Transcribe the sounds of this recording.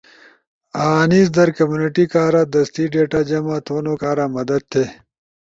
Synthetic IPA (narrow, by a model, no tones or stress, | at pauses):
aːniːzd̪ɐɾkɐmjuːnɪʈikaːɾaːd̪ɐst̪iːɖeːʈaːd͡ʑɐmaːt̪ʰoːnoːkaːɾaːmɐd̪ɐd̪̚t̪ʰeː